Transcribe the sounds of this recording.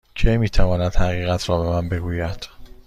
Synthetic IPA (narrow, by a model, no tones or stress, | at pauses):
cʰejmiːt̪ʰævɒːnæd̪hæɣiːɣæt̪ʰɾɒːbe̞mænbe̞ɡuːjæd̪̥